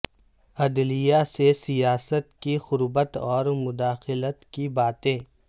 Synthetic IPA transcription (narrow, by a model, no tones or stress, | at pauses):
ɐd̪lijasesijaːsət̪kixʊɾbət̪ɔːɾmʊd̪aːxɪlət̪kibaːt̪ẽː